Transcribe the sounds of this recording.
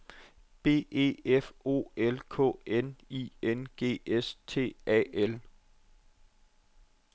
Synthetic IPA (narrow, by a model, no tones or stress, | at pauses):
b̥e̝̰ːe̝̰efo̝̰ːelkʰɔ̰̽ːenienɡ̥e̝̰ːest͡sʰe̝̰ːɛ̰el